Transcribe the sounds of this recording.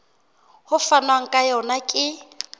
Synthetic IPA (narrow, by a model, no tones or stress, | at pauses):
hʊfanwaŋ̩kʼajɔnakʼɪ